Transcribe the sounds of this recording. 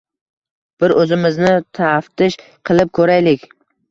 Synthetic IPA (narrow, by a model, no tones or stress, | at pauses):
b̥ɪɾɵzɪmɪznɪt̪ʰaft̪ɪʃ | qʰɨlˠɪp̚kʰɵɾajlɪkʲ